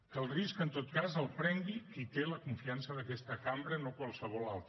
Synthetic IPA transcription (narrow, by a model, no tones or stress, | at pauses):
əlˠriskənt̪ot̪kazəlˠpɾɛŋɡikit̪eləkuɱfiansəðəkɛst̪əkambɾənokwalˠsəβ̞ɔlalˠt̪